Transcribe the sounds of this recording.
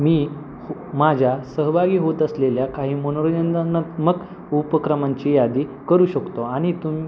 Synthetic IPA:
miː | hmad͡ʑʱjasəɦbʱaɡiːɦot̪əsleljakaɦiːmənoɾod͡ʑənd̪anət̪məɡ | upəkɾəmaɲt͡ɕiːjad̪iːkəɾuːɕəkt̪oaɽ̃it̪umi

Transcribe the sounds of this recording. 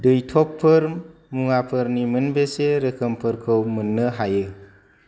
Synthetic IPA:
dɯjtʰɔpʰːɯɾ | muŋapʰɯɾnimɯnbeseɾɯkʰəmpʰɯɾkʰɯwmɯnːəɦajɯ

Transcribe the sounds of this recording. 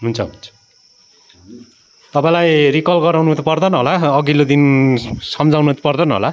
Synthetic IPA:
ɦunt͡sʰʌɦun | t̪ʌpaĩlajrikʌlɡʌɾawnut̪pʌrd̪ʌnʌɦolaʌɡilod̪insʌmd͡zawnut̪pʌrd̪ʌnʌɦo̰la

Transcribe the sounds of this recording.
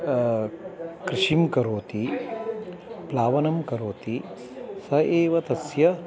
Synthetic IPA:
kɾɪʂimkɐɾoːt̪i | plaːʋɐnɐmkɐɾoːt̪i | sɐeːʋɐt̪ɐsjɐ

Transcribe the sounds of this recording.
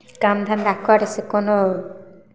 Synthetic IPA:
kamd̪ʱand̪akʰaɾesekono

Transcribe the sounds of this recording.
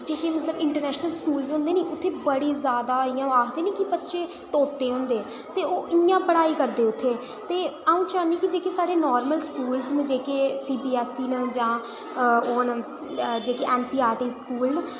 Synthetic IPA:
d͡ʒeːkeːmət̪ləbɪɳʈəɾnɛːʃnəlskuːlzɦʊ̃nd̪eːniːʊt̪ʰːeːbəɽiːzjaːd̪aːɪ̃jãːaːkd̪eːnĩːkɪbətːʃeː | t̪oːt̪ːeːɦʊ̃nd̪eː | t̪eːoːʔɪjãːpəɽaːiːkəɾd̪eːʊt̪ʰːeː | t̪eːaːũːt͡ʃaːnĩːkɪd͡ʒeːkeːsaːɽeːnɔːɾməlskuːlznd͡ʒeːkeːsiːbiːɛːsiːnəd͡ʒãː | oːn | d͡ʒeːkeːʔɛːnsiːaːɾʈiːskuːln

